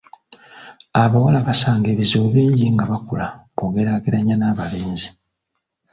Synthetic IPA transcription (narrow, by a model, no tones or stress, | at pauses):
aβawalaβasaːŋɡeβizoːβiːɲɟiŋɡaβakṵlakoɡe̞ɾaːɡeɾaɲanaːβaleːnzi